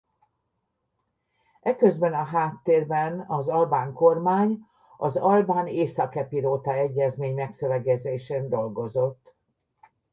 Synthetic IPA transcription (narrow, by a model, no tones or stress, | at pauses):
ʔɛkø̞zbɛnɒɦaːt̪ːeːrbɛnɒzɒlbaːŋko̞rmaːɲ | ɒzɒlbaːneːsɒkɛpiloːt̪ɒɛɟːɛzmeːɲmɛksøvɛɡɛzeːʃeːnd̪o̞lɡo̞zo̞t̪ː